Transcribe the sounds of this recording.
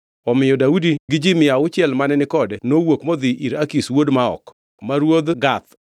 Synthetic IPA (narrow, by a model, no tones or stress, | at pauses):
ɔmɪjɔdaudiɡɪd͡ʒimɪaʊt͡ʃɪɛlmanɛnɪkɔdnowokmɔd̪ɪʔiɾakiswodmaɔ̰k | maɾwod̪ɡat̪